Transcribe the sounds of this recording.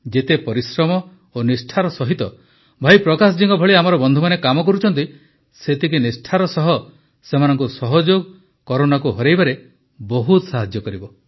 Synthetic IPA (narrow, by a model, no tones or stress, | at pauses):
d͡ʒet̪epɔɾisɾɔmɔ | onisʈʰaɾɔsɔɦit̪ɔ | bʱajpɾɔkasɔd͡ʒiŋɡɔbʱɔɭiamɔɾɔbɔnd̪ʱumanekamɔkɔɾut͡ʃʰɔnt̪̬i | set̪ʰikinisʈʰaɾɔsɔɦɔ | semanɔŋkusɔɦɔd͡ʒoɡ | kɔɾonakuɦɔɾejbaɾe | bɔɦut̪saɦad͡ʒjɔkɔɾibɔ